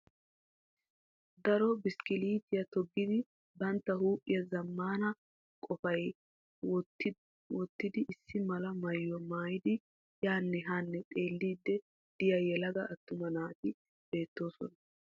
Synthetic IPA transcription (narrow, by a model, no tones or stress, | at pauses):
d̪ɐɾɔbɪskɪliːt̪ɪjɐt̪ɔɡːɪd̪ɪ | bɐnt̪ːɐhuːpʼːɪjɐzɐmːaːnɐ | kʼɔfɐj | wɔt̪ːɪd̪ɪʔɪsːɪmɐlɐmɐjːɔmaːjɪd̪ɪ | jaːnːɛɦanːɛt̪ʼe̞ːlːiːd̪ːɛ | d̪̥ɪjɐjɛlɐɡɐʔɐt̪ːʊmɐnaːt̪ɪ | b̥e̞ːt̪ːo̞ːsɔ̰nɐ